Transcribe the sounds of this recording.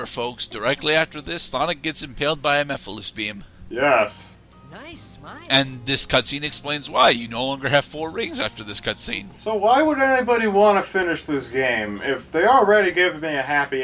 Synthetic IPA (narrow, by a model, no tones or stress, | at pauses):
ə˞foʊksd̥ə˞ɛk̚tʰˡliæftə˞ðɪsθɑnɨk̚ɡ̥ɛtsɨ̃mpʰeɪlˠd̚baɪɨ̃mɛfəl̩ˠɪsb̥iɨ̃mjɛs | ɨ̃nðɪskʰʌtsĩnɨksplẽɪ̃nzwaɪjɨnoʊlɔ̃ŋɡə˞ɨv̥fɔɹɹɪ̃ŋzæftə˞ðɪskʰʌtsḭ̃nsoʊwaɪwəɾɛnibɑɾiwɑ̃nɨfɪ̃nɨʃðɪsɡ̥ẽɪ̃mɪfðeɪəl̩ˠɹɛɾiɡɪvmiɨɦæpi